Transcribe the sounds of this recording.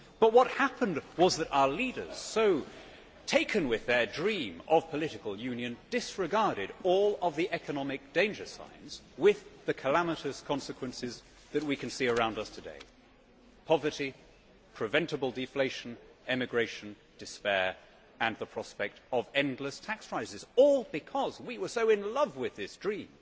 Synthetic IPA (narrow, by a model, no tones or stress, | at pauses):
b̥ʌt̚wʌt̚hæpə̃ndwʌzðɨɾa̰ʊə˞liɾə̰˞z̥soʊ | tʰeɪkʰɨ̃nwɪðə˞dɹĩmʌv̥pʰəlɪɾɨkəl̩ˠjʉ̃njɨ̃nd̥ɪsɹɨɡɑɹɾɪɾɔlˠʌvðiʔɛkənɑmɨk̚d̥ẽɪ̃nd͡ʒə˞sã̰ɪ̃nz̥wɪððɨkʰəlæməɾɨskʰɑ̃nsɨkʰwɨ̃nsɪz | ðɨt̚wikʰɨ̃nsiə˞ãʊ̃ndʌstʰɨdḛɪ | pʰɑvə˞ɾi | pʰɹ̥ɨvɛ̃ntɨbl̩ˠdɨfleɪʃɨn̩ | ɛmɨɡɹeɪʃɨ̃n | d̥ɨspɛɹ | ɨ̃nðəpʰɹ̥ɑspɛk̚tʌvɛ̃ndˡləstʰækspʰɹ̥aɪzɨzɔlˠbɨkʰʌzwiwə˞soʊɪ̃nlʌvwɪðɪsd̥ɹĩm